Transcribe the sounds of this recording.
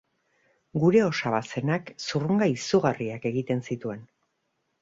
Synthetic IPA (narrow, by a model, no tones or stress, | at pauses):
ɡuɾe̞o̞saβase̞naksuruŋɡaisuɣariake̞ɣit̪e̞nsit̪ue̞n